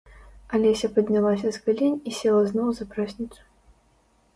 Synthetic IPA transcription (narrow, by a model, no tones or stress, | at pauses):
alʲɛsʲɐpɐd̪ʲnʲalˠasʲɐzɣalʲinʲisʲɛlˠɐznɔwzɐpɾasʲnʲit̪su̥